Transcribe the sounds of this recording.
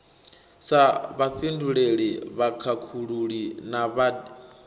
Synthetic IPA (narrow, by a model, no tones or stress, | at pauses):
saβaɸinduɺeɺiβakʰakʰuɺuɺinaβa